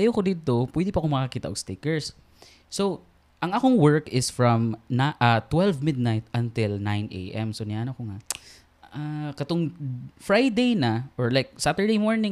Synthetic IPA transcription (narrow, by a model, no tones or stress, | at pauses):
jokod̪id̪̚t̪opwɛd̪ɪpɐkomɐkɐkiːt̪aɐʔoɡst̪ɪkɛɹsː | ow | ʔɐŋakoŋwɛɹkɪsfɹɐmnaʔat̪wɛlvmɪd̪̚najt̪̚ʔɐnt̪ɪlnãjnʔḛjʔɛmsonɪaʔɐnokoŋa | ʔakɐt̪oŋfɹajd̪ejnɐʔoɹlajk̚sat̪əɹd̪ejmoɹnɪ̃